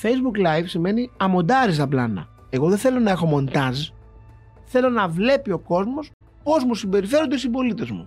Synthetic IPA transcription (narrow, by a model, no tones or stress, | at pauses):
fe̞jzbuklɐjvsime̞niɐmo̞d̪ɐɾist̪ɐplɐ̰nɐ̰ | e̞ɣo̞ðeθe̞lo̞nɐexomo̞nt̪ɐz | θe̞lo̞nɐvle̞pio̞ko̞zmo̞s | po̞zmusimbe̞ɾife̞ɾond̪esibo̞lit̪e̞zmṵ